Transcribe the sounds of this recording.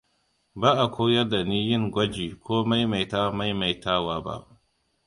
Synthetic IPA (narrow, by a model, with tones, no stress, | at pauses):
baː˦ʔa˨kʷoː˦jɐ˦da˨niː˦jɪ˦ŋɡʷɐ˦d͡ʒiː˨kʰʷoː˦ma˦jma˨jta˦ma˦jma˨jtaː˦waː˨ba̰˦ʔ